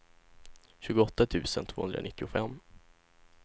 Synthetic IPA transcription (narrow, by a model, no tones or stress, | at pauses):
ɕʉ̟ːɡʊɔt̪ːat̪ʰʉ̟ːsənt̪ʰvoːhɵ̰nɾa̰nɪt̪ːɪʊfɛmː